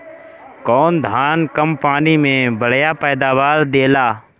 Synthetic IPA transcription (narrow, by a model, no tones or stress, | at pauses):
kɔːnd̪ʱaːnkəmpaːniːmẽːbʱəɽ̤jaːpɛːd̪aːʋaːɾd̪eːlaː